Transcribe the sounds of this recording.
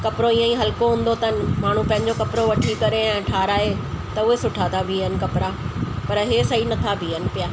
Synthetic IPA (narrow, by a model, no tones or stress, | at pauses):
kɐpɪɾoiːãĩɦɐlkoɦʊ̃ːn̆d̪ot̪ɐɦnɪ̆maːɳ̤ũpɐ̃ɦɪ̃ɲd͡ʑokɐpɾoʋɐʈʰikɐɾeɛ̃ːʈʰaːɾaːɦet̪ɐʊɦesʊʈʰat̪ʰabʱiənɪ̆kɐpɪɾapɐɾɦesɐɦinɐt̪ʰabʱiənɪ̆pɪjaː